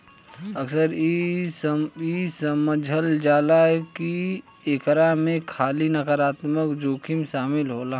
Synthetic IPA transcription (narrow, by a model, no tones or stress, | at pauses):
əksəɾi | isəməd͡ʒʱəld͡ʒaːlaɦɛki | eːkɾamẽkʰaːlinɐkəɾaːt̪məkd͡ʒoːkʰimʃaːmɪlɦoːlaː